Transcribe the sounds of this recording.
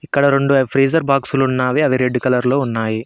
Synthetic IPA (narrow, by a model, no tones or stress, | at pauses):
ikːɐɽɐɾe̞ɳɖuɐpʰɾiːd͡ʒɐɾbaːksulunːaːʋiɐʋiɾeɖːikɐlɐɾloːunːaːji